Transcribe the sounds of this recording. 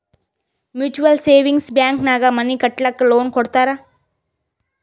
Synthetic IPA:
mjuːt͡ʃuʋɐlseːʋiŋɡsbjaːŋknaːɡamɐnikɐʈlakːloːnkɔɽt̪aːɾaː

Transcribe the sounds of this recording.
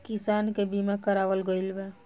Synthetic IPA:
kisankebimakəɾaʋəlɡəjlbe

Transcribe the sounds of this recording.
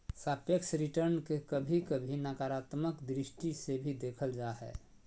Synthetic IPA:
sapjəksɾiʈəɾnkekəbʱikəbʱinakaɾat̪məkd̪ɾisʈisebʱid̪ekʰəld͡ʒaɦɛ̰

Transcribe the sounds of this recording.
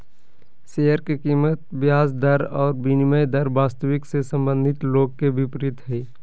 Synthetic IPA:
sejəɾkekiːmət̪̚bɪjaːsd̪əɾɔːɾbiniməjd̪əɾbaːst̪əʋɪksesə̃mbə̃nd̪ʱɪt̪loːɡ̚kebɪpɾɪt̪ɦɛː

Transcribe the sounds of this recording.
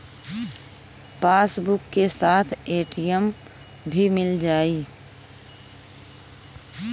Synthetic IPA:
paːsbʊkːesaːt̪ʰeːʈijəm | bʱimɪld͡ʒaːiː

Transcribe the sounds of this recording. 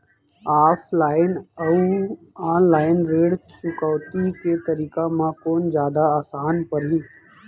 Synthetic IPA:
aːpʰlaːɪnəu | aːnlaːɪnɾeːɽt͡ʃʊkɔːt̪iket̪ɐɾiːkamãkoːnd͡ʒjaːd̪aaːsaːnpɐɾɦĩː

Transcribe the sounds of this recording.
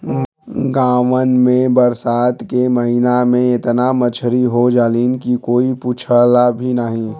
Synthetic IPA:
ɡãːʋənmẽbəɾsaːt̪keməɦinamẽɪt̪namət͡ʃʰɾiɦod͡ʒaːliːnkikoːipuːt͡ʃʰəlabʱinaɦĩ

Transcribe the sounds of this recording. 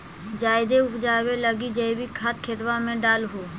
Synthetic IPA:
d͡ʒaːɪd̪eʊpʰd͡ʒaːwelɐɡid͡ʒɐibikʰat̪̚kʰɪɾʋamẽɖaːlɦuː

